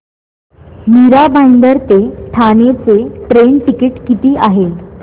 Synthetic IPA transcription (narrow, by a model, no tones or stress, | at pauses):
miɾabajnd̪əɾt̪eʈʰanet͡seʈɾeɳʈikiʈkit̪iːʔaɦe